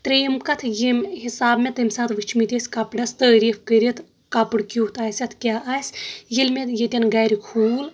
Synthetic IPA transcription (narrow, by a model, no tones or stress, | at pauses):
t̪ɾeːmkɐt̪ʰjimʲhisaːbmet̪ɨmʲsaːt̪ʰʋɨt͡ʃʰmit̪ʲesʲkɐpɖɐst̪əːɾiːfkəɾʲit̪ʰ | kɐpɨɽkʲuːt̪aːsʲɐt̪ʰkʲaːʔaːsʲjilʲmʲet̪ʰjet̪ʲɐnɡaːɾʲikʰuːl